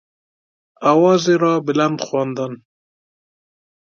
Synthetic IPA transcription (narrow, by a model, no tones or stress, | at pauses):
awɑzeɾɑbɪland̪xwɑnd̪an